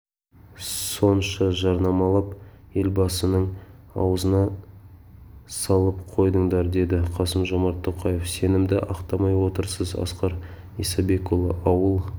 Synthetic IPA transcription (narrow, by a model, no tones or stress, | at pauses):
so̞nʃɑʒɑɾnɑmɑlˠɑp | e̞lbɑsənəɴ | ɑ̰wəzənɑ | sɑlˠəp̚qʰo̞jd̪əɴd̪ɑɾd̪e̞d̪ɪqʰɑsəmʒo̞mɑɾt̪ʰːo̞qɑjefse̞nɪmd̪ɪʔɑqt̪ɑmɑjwo̞t̪əɾsəzɑ̰sqɑɾ | isɑbe̞kolˠə̰ʔɑwəlˠ